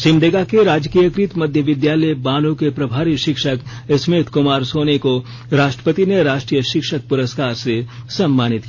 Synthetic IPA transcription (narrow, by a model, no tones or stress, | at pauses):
ʃɪ̃mɖeːɡakeɾaːd͡ʒkiːjəkɾɪt̪mɐd̪ʱjəʋɪd̪jaːləjbaːnũkepɾɐbʱaːɾiʃɪkʃək | smeːt̪ʰkʊmaːɾsoːneko | ɾaːʃʈɾə̥pət̪ineɾaːʃʈɾiːjəʃɪkʃək̚pʊɾəskaːɾsesɐmːaːnɪt̪ː